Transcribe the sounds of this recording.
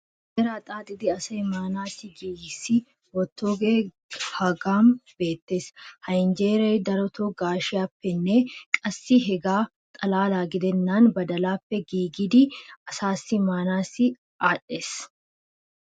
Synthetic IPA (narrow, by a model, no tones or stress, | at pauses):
eɾɐːt̪ʼaːt̪ʼɪd̪ɪɐsɐɪmaːnaːsɪɡiːjɪsɪ | wɔt̪ːoːɡeː | hɐɡaːmb̥e̞ːt̪ːeːshɐɪnd͡ʒeːɾeːd̪ɐɾɔt̪ʰoɡaːʃɪapːɛnːeːkʼɐsːiɦɛɡaː | t̪ʼɐlaːlaːɡɪd̪ɛnːaːnbɐd̪ɐlaːpːɛɡiːɡɪd̪iɐsaːsɪmaːnaːsɪ | aːᶑes